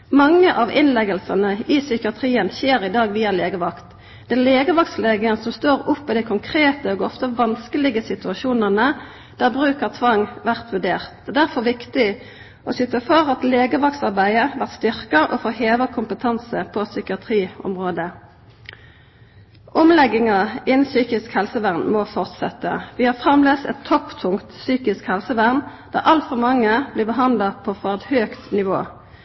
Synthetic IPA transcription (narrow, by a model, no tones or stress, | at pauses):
mɑŋːəʔɑʋɪnlɛɡəlsənəɪsʏkɪɑt̪ʰʁiːənçeːɾɪd̪ɑːɡʋiːɑleːɡəʋɑkt̪ | d̪̥ɛnleːɡəʋɑk̚t̪sleːɡəənsɔmst̪oːʁʊpːɪd̪æɪkʰʊŋkʰʁeːt̪əɔɡɔft̪əʋɑnskəlɪɡəsɪt̪ʉɑʃuːnəʁnə | d̪̥æːʁbʁʉːkəʁt̪ʰʋɑŋʋæʁt̪ʋʉɖeːʁt̪ːd̪æʁfɔʁʋɪkt̪ɪ | ɔsʏt̪əfɔʁɑt̪leːɡəʋɑk̚t̪sɑʁbæɪəʋæːʁst̪ʏʁkɑʔɔ̰foːheːʋɑkʰʊmpət̪ʰɑnsəpʰɔɛt̪sʏkɪɑt̪ʰʁiːʔʊ̰mʁoːd̪ə | ʔʊmlɛɡɪŋɑɪnsyːkɪskhɛlsəʋæʁnmɔfɔʁt̪sɛ̰t̪ːə̰ʋɪhɑːʁfʁɑmleːst̪ɛ̰t̪ʰːɔpt̪ʰʊŋt̪syːkɪskhɛlsəʋæʁnd̪̥æ̰ːʔɑlt̪fɔʁmɑŋːəb̥lɪːbəɦɑnd̪lɑpʰɔfɔɛt̪høːkt̪nɪʋo̰ː